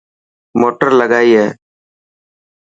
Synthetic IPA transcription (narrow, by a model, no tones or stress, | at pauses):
moːʈəɾləɡaːiːɦɛː